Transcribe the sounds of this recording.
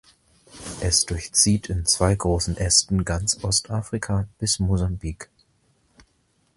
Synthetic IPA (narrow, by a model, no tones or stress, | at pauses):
ʔɛsd̥ʊɐçt͡siːtʰɪnt͡sv̥aɪɡʁoːsn̩ʔɛstn̩ɡant͡sʔɔstʰʔaːfʁ̥ikʰab̥ɪsmozambiːk